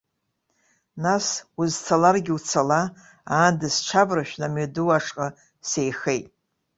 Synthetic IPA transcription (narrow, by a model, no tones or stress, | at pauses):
nasuzt͡sʰalarɡʲɪut͡sʰala | aːndɨsʈ͡ʂʰabraʃᶣnamɥaduwaʂqʼa | se̞jχe̞jtʼ